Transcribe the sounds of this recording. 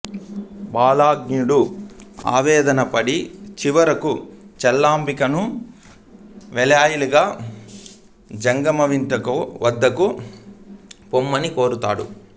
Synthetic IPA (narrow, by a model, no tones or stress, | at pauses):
baːlaːɡɲuɽua̰ːʋɛːd̪ɐnɐpɐɽit͡ʃiʋɐɾɐkut͡ʃɛlːaːmbikɐnu | ʋɛljaːjɐliɡaː | d͡ʒɐŋɡɐmɐʋiɳʈɐkoʋɐd̪ːɐku | pomːɐnikoːɾut̪aːɽu